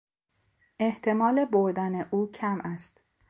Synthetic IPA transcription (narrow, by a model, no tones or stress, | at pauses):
ʔe̞ht̪ʰe̞mɒːle̞boɾd̪æne̞ʔuːcʰæmʔæst̪